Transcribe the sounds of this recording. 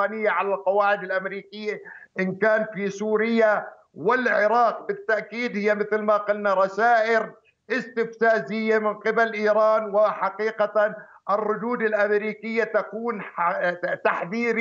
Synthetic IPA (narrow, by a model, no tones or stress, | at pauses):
nɪjːaʕalalqɑwaːʕɪd̪ɪlʔamɾiːkɪjːaʔɪnkaːnfisuːɾɪjːa | wɪlʕɪɾɑːq̚bɪt̪ːaʔkiːd̪hɪjːamɪθlmaqʊlnaɾˤɑsaːʔɪɾ | ʔɪst̪ɪfsaːzɪjːamɪnqɪbalʔiːɾaːnwɪħaqiːqat̪a | ʔɪrˤːʊd̪uːd̪ɪlʔamɾiːkɪjːat̪akuːn | t̪aħðiːɾ